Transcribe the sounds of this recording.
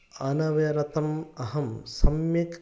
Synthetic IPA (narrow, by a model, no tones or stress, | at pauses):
ɐnɐʋɐɾɐt̪ɐmɐɦɐmsɐmjɐk